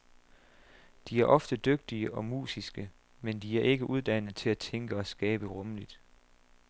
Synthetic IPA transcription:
d̥iæɐʔɒ̽fd̥əd̥øɡ̥̚d̥iəʔɒ̽mṵːsisɡ̥ə | mend̥iæɐʔe̝ɡ̥əʔuð̞ˠd̥æn̰ð̩ˠt͡sʰe̝læt͡sʰeŋɡ̥əɒ̽sɡ̥ɛːb̥əʁɔ̽məlid̥

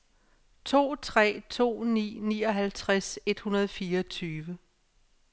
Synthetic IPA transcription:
t͡sʰo̝̰ːt͡sʰʁɛ̰ːt͡sʰo̝̰ːnḭːnḭːɒ̽ɦælt͡sʰʁase̝d̥hunɐð̞ˠfiːɐʌt͡sʰyːʋə

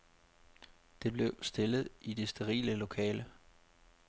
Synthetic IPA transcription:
d̥e̝b̥le̝ʊsd̥e̝lð̞̩ˠid̥e̝sd̥eʁḭːləlo̝kʰɛːlə

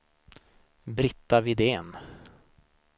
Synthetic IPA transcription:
bɾɪt̪ːavɪd̪eːn

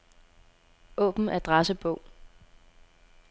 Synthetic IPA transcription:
ʔɔ̰̽ːb̥n̩ʔæɐd̥ʁɑsəb̥ɔʊ̰

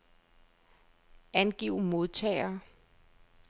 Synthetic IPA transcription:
ænɡ̥iʊ̰mo̝ðˠt͡sʰɛ̰ːɪɐː

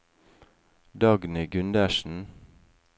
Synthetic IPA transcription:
d̪ɑːɡnəɡʉnd̪æʃn̩

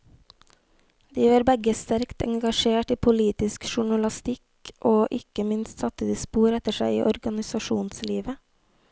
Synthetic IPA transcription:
d̪iːʋɑːɾbɛɡəst̪æɾkt̪ɛ̰ŋɡɑʃeːʈiːpʰʊliːt̪ɪskʃʊɳɑlɑst̪ɪk | ʔoːʔɪkəmɪnst̪sɑt̪əiːspuːɾɛt̪əʃæɪḭːʔɔɾɡɑnɪsɑʃuːnsliːʋə

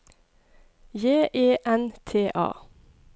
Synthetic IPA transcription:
jeːʔeːʔɛnt̪ʰeːʔɑ̰ː

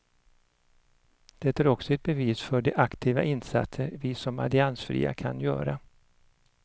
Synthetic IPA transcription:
d̪̥ɛt̪æːɾɔksɔɛt̪̚bɛviːsfœɖɛʔakt̪ʰiːva̰ʔɪnsat̪səɾvɪsɔma̰lɪansfɾḭːa̰kʰa̰njœ̰ːɾa

